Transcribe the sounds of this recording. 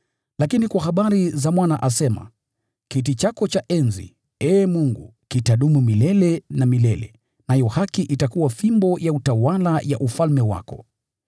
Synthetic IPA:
lakinikwahaɓaɾizamwanaʔasɛma̰ | kitit͡ʃakɔt͡ʃaʔɛnzḭ | ɛːmuŋɡṵkitaɗumumilɛlɛnamilɛlɛ̰ | najɔhakiʔitakuwafimbɔjautawalaja̰ʔufalmɛwa̰kɔ̰

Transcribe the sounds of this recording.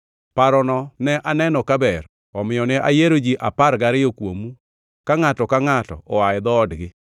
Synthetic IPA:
paɾɔnɔnɛʔanɛnɔkabɛr | ɔmɪjɔnɛʔa̰jeɾod͡ʒiʔapaɾɡaɾɪokwo̰mu | kaŋatɔkaŋatɔ̰ɔwaɪd̪ɔːdɡɪ

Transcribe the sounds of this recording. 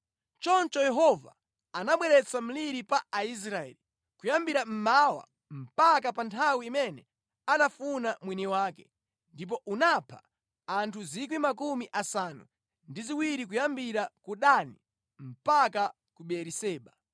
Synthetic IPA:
t͡ʃɔnt͡ʃɔjɛɦɔva̰ | anaɓwɛɾɛt͡sam̩liɾipaais̬ɾaɛ̰li | kujambiɾam̩mawa̰ | m̩pakapantʰawiːmɛnɛ | anafunamwiniwaːkɛ | ndip̬ɔʔunapʰa̰ | antʰuzikwimakumiʔasaːnṵ | ndiziwiɾikujambiɾakuɗani | m̩paka | kuɓɛɾisɛːɓa

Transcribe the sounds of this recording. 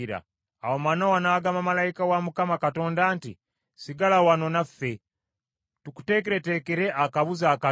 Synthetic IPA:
ɾa̰ː | womanowanaːɡamamalaikawamukamakato̞ːndaːnti | siɡalawano̞nafe̞ | tuku̥te̞ːk̬eɾe̞te̞keɾeʔakaβuzaːka

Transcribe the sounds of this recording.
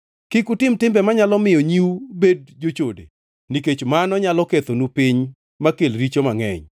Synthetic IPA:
kɪkutɪmtɪmbɛmaɲalɔmɪjɔɲiubed̚d͡ʒot͡ʃodḛ | niket͡ʃmanɔɲalɔket̪onupiɲ | makelɾit͡ʃomaŋɛ̰ɲ

